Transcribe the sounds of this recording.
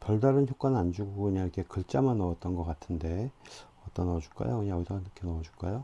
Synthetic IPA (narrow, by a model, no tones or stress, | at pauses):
pjʌɭdaɾɯnçjok͈anɯnand͡ʑuɡokɯɲaŋikʰe̞kɯɭt͡ɕ͈amanʌʌt̚t͈ʌnɡʌk͈atʰɯnde̞ | ʌt͈ʌnʌd͡ʑuk͈a̰jokɯɲaŋsanikʰenʌʌd͡ʑuɭk͈ajo